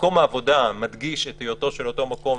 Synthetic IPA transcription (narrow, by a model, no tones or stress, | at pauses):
ko̞maːvo̞damadɡiʃet̪ijoto̞ʃelo̞to̞mako̞m